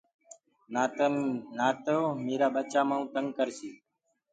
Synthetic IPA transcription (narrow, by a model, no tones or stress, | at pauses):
naːt̪əomeːɾaːɓət͡ʃaːmãːũːt̪əŋɡ̚kəɾsiː